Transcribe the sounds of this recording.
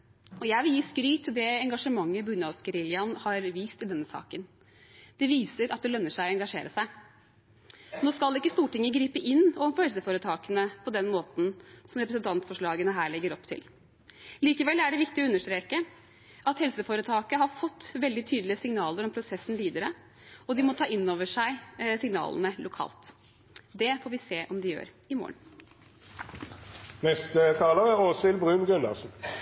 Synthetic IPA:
ɔjæɪʋɪljiːskɾyːt̪ʰːɪld̪ɛɛŋɡɑʂəmɑŋːəbʉnɑskəɾɪljɑnhɑɾʋiːst̪ɪld̪ɛnːəsɑ̰ːkən | d̪̥ɛʋiːsəɾʔɑt̪̚d̪ɛlœnːəʂæɪɔɛŋɡɑʂḛːɾəsæɪ | noːskɑlɪkːəst̪uːʈɪŋːəɡɾiːpəʔɪnːɔmfɔhɛlsəfoːɾət̪ʰɑːkənəpʰɔd̪ɛnmoːt̪n̩sɔmɾɛpɾəsənt̪ʰɑnt̪fɔʂɭɑːɡənəɦæːɭɛɡːəɾɔpt̪ʰɪ̰l | liːkəʋɛlæɖɛʋɪkt̪ɪɔʉnːəʂt̪ɾeːkə | ɑt̪hɛlsəfoːɾət̪ʰɑːkəɦɑɾfɔt̪ːʋɛld̪ɪt̪ʰyːd̪l̩ɪəsɪŋnɑːləɾɔmpʰɾʊsɛsn̩ʋiːd̪əɾə | ɔd̪ɪmɔt̪ʰɑːʔɪnːoːʋəʂæɪsɪŋnɑ̰ːlə̰nəlʊkʰɑ̰ːlt̪ | d̪ɛfoːɾʋɪseːʔɔmd̪ɪjø̰ːɾ | ɪmo̰ːə̰ɳ | nɛst̪ət̪ʰɑːləʁæʁoːsɪlbʁʉːmɡʉnɑ̰ʁsn̩

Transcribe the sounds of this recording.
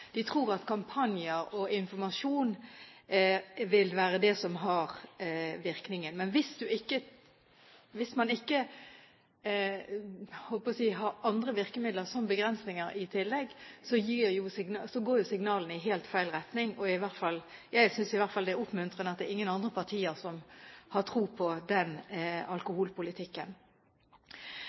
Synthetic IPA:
d̪̥ɪt̪ʰʁuːɾɑt̪kʰɑmpʰɑnjəɾɔɪnfɔɾmɑʂuːn | ʋɪlʋæːɾəd̪ɛsɔmɦɑʁʋɪɾknɪŋənmɛnʋɪsd̪ʉɪkːə | ʋɪsmɑnɪkːə | hɔlpɔsiːɦɑɾɑnd̪ɾəʋɪʁkəmɪd̪ləɾsɔmbəɡɾɛnsnɪŋəɾɪt̪ʰɪlːɛɡsɔjiːɾjʊsɪŋnsɔɡoːɾjʊsɪŋnɑːlənɪɦeːlt̪fæɪlʁɛt̪nɪŋɔɪʋæʁt̪fɑlːjæɪsʏnsɪʋæʁt̪fɑld̪ɛæʊpmʉnt̪ʁənəɑt̪̚d̪ɛʁɪŋːənɑnd̪ʁəpʰɑʁt̪ʰiːəɾsɔmhɑʁt̪ʰɾuːpʰɔd̪ɛnɑlkʊhuːlpʊlɪt̪ʰɪkːən

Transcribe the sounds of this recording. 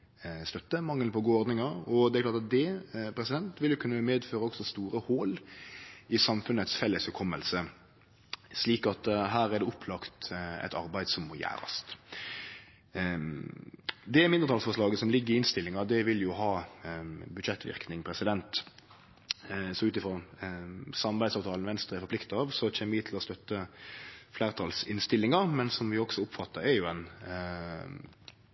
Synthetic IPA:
st̪œt̪ːəmɑŋːəlpʰɔɡuːəɔɾd̪nɪŋɑɔd̪ɛæɾklɑːɾt̪ɑt̪̚d̪ɛpʰɾɛsɪd̪ɛnt̪ʋɪljʊkʰʉnːəmeːd̪føːɾəɔksɔst̪uːɾəhoːl | ɪsɑmfʉnət̪sfɛlːəshʉkʰɔmːəlsə | sliːkɑt̪ɦæːɾæd̪ɛʊpʰlɑkt̪ɛ̰t̪ʰɑ̰ɾbæɪd̪sɔmːɔjæ̰ːɾɑ̰st̪ | d̪ɛmɪnd̪ət̪ʰɑlsfɔʂɭɑːɡəsɔmlɪɡːəɾɪɪnst̪ɪlːɪŋɑd̪ɛʋɪljʊɦɑː | bʉd̪ʃɛt̪ːʋɪ̰ɾknɪŋpʰɾɛsɪd̪ɛnt̪ | sɔʉːt̪ɪfɾoː | sɑmɑʁbæɪd̪sɑːʋt̪ʰɑːlnʋɛnst̪ʁəæɪɾfɔplɪkt̪ɑːʋsɔc͡çɛməʋɪt̪ʰɪlɔst̪œt̪ːə | flæːʁɾt̪ʰɑːlsɪnst̪ɪlːɪŋɑɾmɛnsɔmʋɪɔksɔʊpfɑt̪ːəɾɛɾjʊɛn

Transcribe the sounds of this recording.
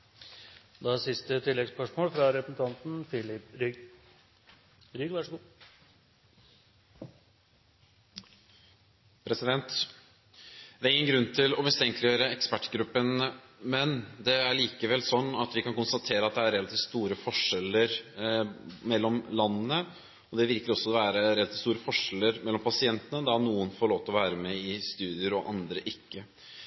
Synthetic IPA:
d̪ɛɑsɪst̪ət̪ʰɪlːɛɡspœʂmoːlfɾɑɾɛpəsn̩t̪ʰɑnt̪n̩fɪlɪpɾʏɡ | ɾʏɡʋɑʂəɡu | pʰɾɛsɪd̪ɛnt̪ | d̪̥æɾɪŋːənɡɾʉnːt̪ʰɪlɔmɪst̪ʰɛŋklɪjøːɾəɛkspæʈːɡɾʉpːənmɛnd̪ɛæɭiːkəʋɛlsɔnːɑt̪ʋɪkɑnkʊnst̪ɑt̪ʰeːɾəɑt̪̚d̪ɛæɾɛlɑt̪ʰiːt̪st̪uːɾəfɔʂɛləɾ | mɛlːɔmlɑnːənə | ɔd̪ɛʋɪɾkəɾɔsːɔd̪ɛʋæːɾəɾɛlɑt̪iːtst̪uːɾəfɔʂɛləɾmɛlːɔmpɑsɪɛnt̪ənəd̪ɑnuːənfoːɭoːʋt̪ɔʋæːɾəmɛɪst̪ʉːd̪ɪəɾɔʔɑnd̪ɾəʔɪkːə

